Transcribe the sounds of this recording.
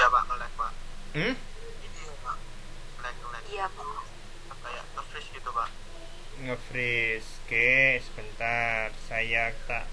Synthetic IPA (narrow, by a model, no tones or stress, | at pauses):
japa̰ʔəlɛk̚wanm̩ | inipaʔ | əlɛk̚əlɛjapa | asaja̰ʔŋəfɾɪsɡ̥it̪upaʔ | ŋəfɾiskesə̥b̥ənt̪arsajakit̪a̰ʔ